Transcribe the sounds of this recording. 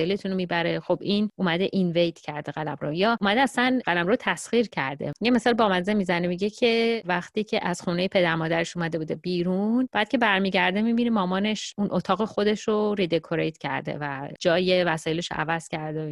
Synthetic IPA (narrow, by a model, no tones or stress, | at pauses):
jelet̪ʰunomibæɾe̞χobʔinʔumæd̪eʔinvejt̪ʰcʰæɾd̪eɣælæmɾo̰jɒːumæd̪eæsænɢælæmɾot̪ʰæsχiːɾcʰæ̰ɾd̪ḛjeme̞sɒːlbɒːmænzemizænemiɟecʰe̞væxt̪iːcʰeʔæz̥xunejepʰe̞d̪æɾmɒːd̪æɾeʃumæd̪e̞bud̪ebiːɾunb̥æːd̪̥̚cʰe̞bæɾmiɟæɾd̪emibinemɒːmɒːne̞ʃunʔot̪ʰɒːɣexo̞d̪e̞ʃoɾid̪ekʰoɾḛjt̪ʰcʰæ̰ɾd̪ḛvæd͡ʒɒːjevæsɒːje̞leʃo̰ʔæ̰væz̥cʰæɾd̪e